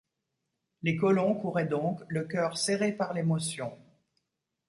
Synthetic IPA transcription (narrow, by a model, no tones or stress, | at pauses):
lekɔlɔ̃kuʁɛd̪ɔ̃kləkʲœʁseʁepaʁlemɔsjɔ̃